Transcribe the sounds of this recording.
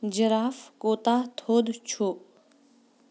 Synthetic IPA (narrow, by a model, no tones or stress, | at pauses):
d͡ʒəɾaːfkoːt̪aːt̪ʰoːd̪t͡ʃʰu